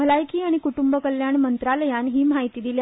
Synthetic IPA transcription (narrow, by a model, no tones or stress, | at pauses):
əlajkʰiːaɽ̃ikuʈumbəkəljaɳmənt̪ɾaləjanɦiːmaɦit̪iːd̪ilj